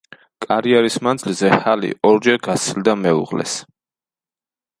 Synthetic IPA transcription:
kʼaɾiɛɾismand̪zilzɛhalḭʔɔɾd͡ʒɛɾɡat̪sʰild̪amɛṵʁlɛ̰s

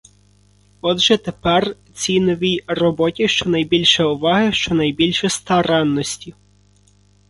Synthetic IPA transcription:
ɔd̪ʒɛt̪epɛr | t͡sʲinɔʋʲijrɔbɔtʲiʃt͡ʃɔnɐjbʲilʲʃɛʊʋɑɦɪʃt͡ʃɔnɐjbʲilʲʃɛst̪ɐɾɛnːɔsʲtʲi

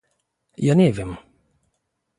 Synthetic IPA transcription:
janivim

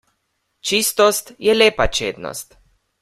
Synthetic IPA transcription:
t͡ʃist̪ɔst̪jɛleːpat͡ʃeːd̪nɔ̰st̪

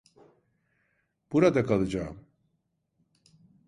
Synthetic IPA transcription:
b̥uɾad̪akʰalˠɯd͡ʒaːm

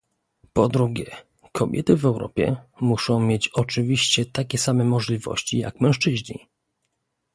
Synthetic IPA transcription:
pɔd̪ɾuɡʲjɛ | kʰɔbʲjʔɛ̰t̪ɘvɛwɾɔ̰pʲjɛ̰muʂɔ̃w̃mʲjet͡ɕɔt͡ʂɘvʲiɕt͡ɕɛt̪akʲɛsamɛmɔʐlʲivɔ̰ɕt͡ɕija̰kmɛ̃ʂt͡ʂɘʑɲḭ

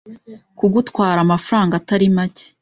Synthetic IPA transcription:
kuɡutwaːɾamafaɾaːŋɡataɾimace̥

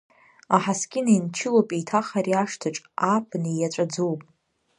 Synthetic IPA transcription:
aħaskʲɪnaint͡ʃʰɪlowpʼejtʰaχaɾiaʂtʰaʈ͡ʂʼapʰʼnijaʈ͡ʂʷʼad͡zowpʼ

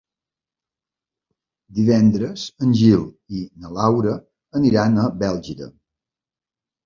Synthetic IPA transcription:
d̪iβɛnd̪ɾəzənʲʒilˠ | inəlawɾə | əniɾanəbɛlˠʒiɾə̰

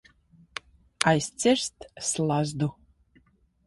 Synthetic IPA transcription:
ajst͡sʰeʂt̪ʰslazd̪u

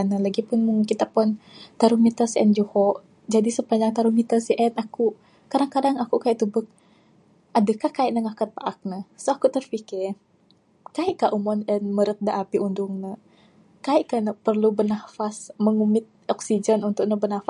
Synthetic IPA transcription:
anəlaɡipʊnmuŋkit̪apɔnt̪aɾumit̪ərsiʔɛnd͡ʒuhɔʔ | d͡ʒadisəpaɲd͡ʒaŋt̪aɾumit̪ərsiʔɛnaku | kadaŋkadaŋakukaiʔt̪ubək̚ | ʔadəkahkaiʔnəŋakat̪̚paʔak̚nəhsoakut̪ərfikɪr | kaiʔkaʔumɔnɛnməɾət̪̚daʔapiundʊŋnə | kaiʔkanəpərlubənafasməŋumɪt̪̚ɔksid͡ʒənunt̪ʊk̚nəbənafa

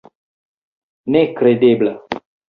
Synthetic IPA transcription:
nekɾed̪eːbla

